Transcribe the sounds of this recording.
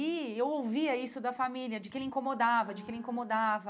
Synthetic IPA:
iewowviɐisʊd̪ɐfamilʲiɐd͡ʒɪkɪelɪĩŋkomod̪avɐd͡ʒɪkɪelɪĩŋkomod̪avɐ

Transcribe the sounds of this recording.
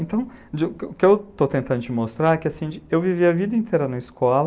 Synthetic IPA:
ẽnt̪ɐ̃w̃d͡ʒɪʊkʊkɪewt̪ot̪ẽnt̪ɐ̃nd̪ʊd͡ʒɪmost̪ɾaɾɛkɪasĩd͡ʒɪewviviɐvid̪ɐĩnt̪ʰejɾɐnɐiskɔl

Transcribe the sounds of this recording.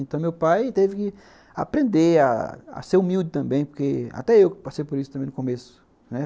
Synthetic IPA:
nt̪ɐ̃w̃mewpajt̪evɪkɪ | a̰pɾẽnd̪ea̰a̰seɾumiwd̪ɪt̪ɐ̃mbẽj̃poɾkea̰t̪ɛewkpasejpoɾisʊ̥t̪ɐ̃mẽʊkõmesʊ̥ | nɛ

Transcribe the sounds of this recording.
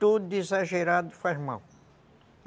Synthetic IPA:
t̪ud̪ezaʒeɾad̪ʊfazma̰w

